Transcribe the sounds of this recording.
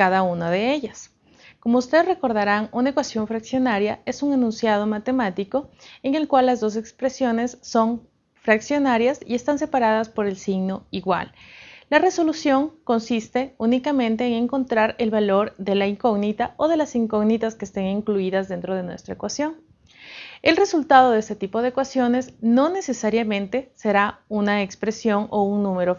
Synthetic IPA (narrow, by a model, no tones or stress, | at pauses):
kaðaunaðe̞e̞ʝas | komoust̪e̞ðre̞ko̞ɾðaɾanunaekwasjo̞ɱfɾaksjo̞naɾjae̞suŋenũnsjaðo̞mat̪e̞mat̪iko̞eŋe̞lkwalːazðo̞s̬e̞kspɾe̞sjo̞ne̞sːo̞ŋ | fɾaksjo̞naɾjasḭe̞st̪ans̬e̞paɾaðaspo̞ɾe̞lsiɣno̞iɣwa̰lːare̞so̞lusjo̞ŋko̞nsist̪e̞unikamẽ̞nt̪e̞ːŋe̞ŋko̞nt̪ɾaɾe̞lβalo̞ɾðe̞laiŋko̞ɣnit̪ao̞ð̞e̞lasiŋko̞ɣnit̪aske̞ːst̪eŋiŋkluiðazðe̞nt̪ɾo̞ð̞e̞nwe̞st̪ɾaekwasjo̞ŋ | e̞lre̞sult̪að̞o̞ðest̪et̪ipo̞ð̞eeːkwasjo̞nezno̞ne̞se̞saɾjamẽ̞nt̪e̞se̞ɾaunaekspɾe̞sjo̞ŋo̞uŋnũme̞ɾo